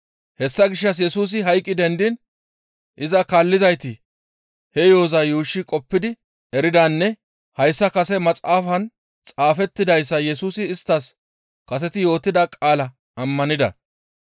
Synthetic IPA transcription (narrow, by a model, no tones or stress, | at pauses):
hɛsːɐɡɪʃːɐs̬jɛsuːs̬ɪɦɐjkʼːɪd̪ɛnd̪ɪn | ʔɪzɐkalːɪzɐjt̪ɪ | hɛjo̞ːzɐjuːʃːɪkʼɔpːɪd̪ɪ | ɛɾɪd̪anːɛ | hɐjsːɐkɐsɛmɐt͡sʼaːfɐn | t͡sʼaːfɛt̪ːɪd̪ɐjsːɐjɛsuːsɪːst̪ːɐs | kɐs̬ɛt̪ɪjo̞ːt̪ːɪd̪ɐkʼaːlɐ | ɐmːɐnɪd̪ɐ̰